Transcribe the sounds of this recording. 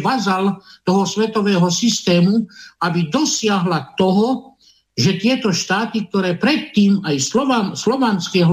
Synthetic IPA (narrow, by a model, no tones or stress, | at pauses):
ʋazalt̪ɔɦɔsʋɛt̪ɔʋɛːɦɔsist̪ɛːmuabid̪ɔsɪaɦlat̪ɔɦɔ | ʒɛt̪ɪɛt̪ɔʃt̪aːt̪ik̚t̪ɔɾɛːpɾɛt̪ːiːmajslɔanslɔʋanskɛɦ